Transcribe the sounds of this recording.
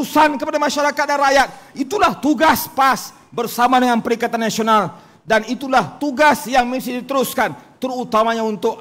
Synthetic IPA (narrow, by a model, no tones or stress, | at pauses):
usankəpadamaʃaɾakat̪̚danɾrajat̪̚it̪ulaht̪uɡaspas | bərsamadəŋanpəɾiŋkat̪anːasional | danit̪ulaht̪uɡasjaŋmisidit̪əɾuskant̪ərut̪amaɲaunt̪ʊk̚